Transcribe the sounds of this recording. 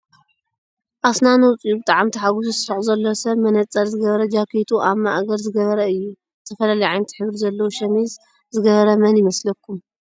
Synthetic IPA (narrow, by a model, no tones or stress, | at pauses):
ʔasnanɐwt͡sʼjubɨt̪ʼaʕamt̪ʰiħaɡususɨɾɐzɐlːosɐβmɐnɐt͡sʼːɐɾzɨɡɐβɐɾɐd͡ʒakʰet̪ʰuʔamːaʔaɡɐɾzɨɡɐβɐɾɐɨjːu | t̪ʰɐfɐlalɐjʕajnɐt̪ʰi̥ħɨβɾizɐlːɐwuʃɐmiz | zɨɡɐβɐɾɐmɐnjɪmɐslɐkʰːum